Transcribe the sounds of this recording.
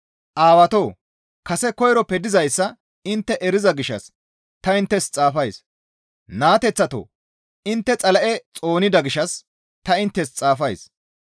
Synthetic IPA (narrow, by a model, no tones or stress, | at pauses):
ʔaːwɐt̪oː | kɐsɛkɔjɾɔpɛd̪ɪzɐjsːɐ | ɪnt̪ːɛʔɛɾɪzɐɡɪʃɐ̰s | t̪ɐɪnt̪ːɛst͡sʼaːfɐjs | naːt̪ɛt͡sːɐt̪o̰ː | ɪnt̪ːɛt͡sʼɐlɐʔɛt͡sʼo̞ːnɪd̪ɐɡɪʃɐs | t̪ɐɪnt̪ːɛst͡sʼaːfɐjs